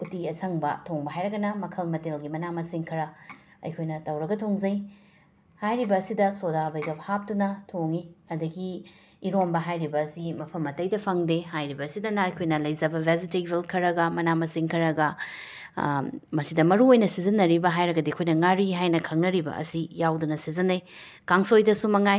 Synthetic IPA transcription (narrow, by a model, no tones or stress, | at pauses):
utiɐsɐŋbɐ̰tʰoŋbɐɦajɾɐɡɐnɐmɐkʰɐlmɐtelɡimɐnamɐsiŋkʰɐɾɐ | ɐ̰jkʰojnɐtɐwɾɐɡɐtʰoŋzɐj | hajɾibɐːsidɐsodabɐjɡɐpʰap̚tunɐtʰoŋiɐdɐɡiː | ɾombɐɦajɾibɐːsimɐpʰɐmːɐtɐjdɐpʰɐŋdehajɾibɐːsidɐnɐɐjkʰojnɐlɐjzɐbɐbʱezitebelkʰɐɾɐɡɐmɐnamɐsiŋkʰɐɾɐɡɐ | mɐsidɐmɐɾuojnɐsizɐnːɐɾibɐɦajɾɐɡɐdiɐkʰojnɐŋaɾiɦajnɐkʰɐŋnɐɾibɐ̰ɐ̰sijawdunɐsizɐnːɐj | kaŋsojdɐsumɐŋaj